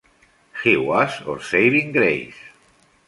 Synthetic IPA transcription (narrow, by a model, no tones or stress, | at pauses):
xiwaso̰ɾsejɾiŋɡɾḛjs